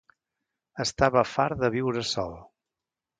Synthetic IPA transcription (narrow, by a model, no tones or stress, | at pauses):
əst̪aβəfaɾðəβ̞iwɾəsɔ̰lˠ